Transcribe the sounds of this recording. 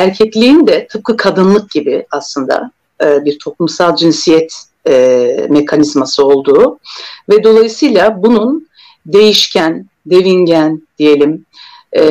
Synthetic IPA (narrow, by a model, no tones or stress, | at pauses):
æɾcʰɛclʲiind̪ɛt̪ʰɯp̚kʰɯkʰad̪ɯnlˠɯk̚ɟ̥ibɪaslˠɯnd̪a̰ | biɾt̪ʰo̞plˠumsalˠd͡ʒinsijɛt̪ː | me̞kʰanizmasɯo̞lˠd̪uːvɛd̪o̞lˠajɯsɯjlˠabunun | d̪e̞jiʃcʰæn | d̪e̞viɲɟænd̪̥ije̞lʲimː